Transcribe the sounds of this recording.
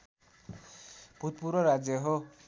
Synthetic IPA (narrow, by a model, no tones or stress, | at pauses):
b̥ʱut̪̚puɾɔɾad͡zjʌɦɔ